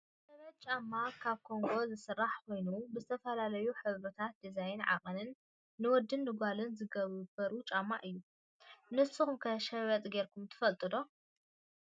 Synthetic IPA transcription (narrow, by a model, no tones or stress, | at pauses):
sɐβɐt̪̚t͡ʃʼamːakʰaβkʰo̞ŋɡo̞zɨsɨrːaħkʰo̞jnubɨzɨt̪ʰɐfɐlalɐjuħɨβɾɐt̪ʰat̪̚d̪izajɪnʕa̰kʼɨnɨnː | ɨwɔd̪ɨnːɨɡalɨnzɨɡɐβɨbɐɾut͡ʃʼamːa̰ʔɨjːu | nɨsɨxumkʰɐʃɐβɐt̪ʼɡe̞ɾkʰumt̪ʰɨ̥fɐlt̪ʼɨd̪o̞